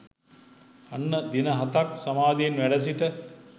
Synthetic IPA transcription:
anːəd̪inəɦat̪aksamaːd̪ejenʋæɖəs̬iʈə

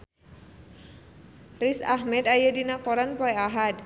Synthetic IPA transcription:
risaɦmɛd̪ajədinakoɾanpɔɛaɦad̚

